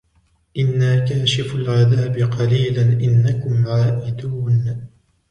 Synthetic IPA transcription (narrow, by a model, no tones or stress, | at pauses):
ʔɪnːaːkaːʃɪfalʕaðaːbɪqɑliːlanʔɪnːakʊmʕaːʔɪd̪uːn